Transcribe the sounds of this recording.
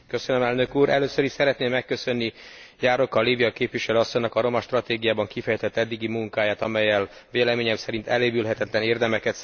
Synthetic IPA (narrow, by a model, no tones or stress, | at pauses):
kø̞sønømɛlnø̞kuːɾʔɛløːsøɾiʃsɛɾɛt̪neːmːɛkːø̞sø̞nːijaːɾo̞kːɒlːiːviɒkeːpʋiʃɛløːɒsːoɲnɒkɒɾo̞mɒʃt̪rɒt̪eːɡijaːbɒŋkifɛjɛt̪ɛt̪ːɛd̪ːiɡimuŋkaːjaːt̪ɒmɛjːɛlʋeːlɛmeːɲɛmsɛɾint̪ɛleːbylɦɛt̪ɛt̪lɛneːrd̪ɛmɛkɛt̪